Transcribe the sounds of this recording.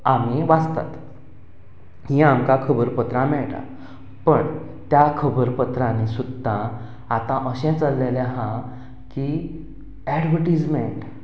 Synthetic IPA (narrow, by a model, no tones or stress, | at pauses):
amiʋad͡zt̪a̰t̪ | hĩamkakʰəbəɾpət̪ɾãmɛɭʈ̪a̰ | pəɳ | t̪jakʰəbəɾpət̪ɾãnesud̪ã | at̪ãʔəɕɛ̃t͡səlːelɛɦã | ki | ɛɖʋəʈid͡zmeɳʈ